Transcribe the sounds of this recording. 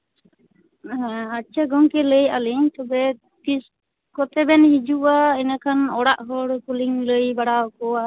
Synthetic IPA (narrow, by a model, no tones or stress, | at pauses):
ɦɛ̃at͡ʃʰaɡɔŋkɛləjaliŋt̪ɔbɛ | t̪is | kɔt̪ɛbɛnhid͡ʒuʔaɛnakʰanɔɽaʔɦɔɽkuliŋləjbaɽawkɔa